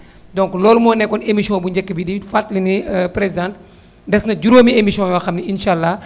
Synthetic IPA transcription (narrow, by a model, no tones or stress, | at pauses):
dɔŋklɔːlumɔːnːɛkːɔnemisjɔ̃buɲd͡ʒɛkːəbidifatlinipɾezidãnt | dɛsnɐd͡ʒuɾoːmiemisiɔ̃jwɐxɐmniinʃaːlːa